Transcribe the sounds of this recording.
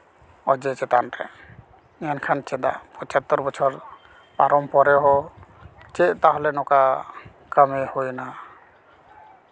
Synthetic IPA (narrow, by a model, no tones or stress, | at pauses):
ɔd͡ʒɛt͡ʃɛt̪anɾɛ̰ | ankʰant͡ʃɛd̪a̰pɔt͡ʃat̪ːɔɾbɔt͡ʃʰɔɾ | paɾɔmpɔɾɛɦɔ | t͡ʃɛʔt̪aɦɔlɛnɔka | kəmehojna